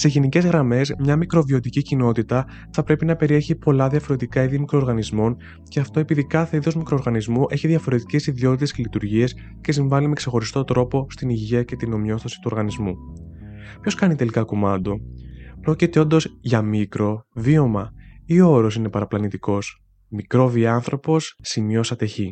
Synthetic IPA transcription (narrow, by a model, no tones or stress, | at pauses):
se̞ʝenice̞zɣɾɐme̞zmɲɐmikɾo̞vio̞t̪icicino̞t̪it̪ɐ | θɐpɾe̞pinɐpe̞ɾie̞çipo̞lɐðiɐfo̞ɾe̞t̪ikɐiðiɐmikɾoːɾɣɐnizmo̞n | ce̞ɐft̪o̞e̞piðikɐθe̞iðo̞zmikɾo̞ːɾɣɐnizmuʔe̞çiðʝɐfo̞ɾe̞t̪i̥ce̞siðio̞t̪it̪escelit̪uɾʝiɐs | ce̞s̬iɱvɐlime̞kse̞xo̞ɾist̪o̞t̪ɾo̞po̞st̪iniʝiɐce̞t̪ino̞mio̞θosi̥t̪u̞ɾɣɐnizmu | pço̞skɐnit̪e̞likɐkomɐnd̪o̞pɾo̞cit̪e̞o̞nd̪o̞zʝɐmikɾo̞vio̞mɐioɾo̞s̬ine̞pɐɾɐplɐnit̪iko̞s | mikɾo̞viɐnθɾo̞po̞sːimio̞sɐt̪e̞çi